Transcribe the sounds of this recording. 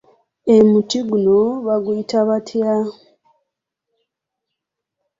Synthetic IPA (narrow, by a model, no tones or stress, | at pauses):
emutiɡunoβaɡuitaβatʰja